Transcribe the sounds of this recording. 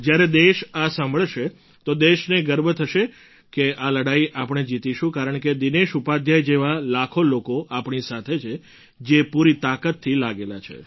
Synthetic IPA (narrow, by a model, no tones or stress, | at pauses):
d͡ʒjaɾed̪eʃasãmbʱəɭʃe | t̪od̪eʃneɡəɾbʱət̪ʰəʃe | keʔaləɽaiʔapɳ̃ed͡ʒit̪iʃũkaɾəɳked̪ineʃupad̪ʱjajd͡ʒeʋalakʰolokoʔapɳisat̪ʰet͡ʃʰe | d͡ʒepuɾit̪akət̪ʰːilaɡelat͡ʃʰḛ